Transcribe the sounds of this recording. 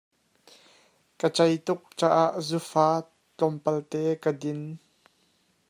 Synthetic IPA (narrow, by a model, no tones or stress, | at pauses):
kət͡sɐjt̪ʊk̚t͡saːʔaʔzufaː | t͡ɬɔmpɐlt̪ɛːkədɪn